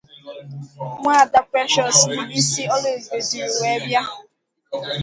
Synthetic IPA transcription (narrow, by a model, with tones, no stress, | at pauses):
ŋʷa˦˨da˦pɾɛ˦ʃɔ˦si˦bi˦si˦ɔ˦le˨be˨di˨ɾwe˨˦bja˦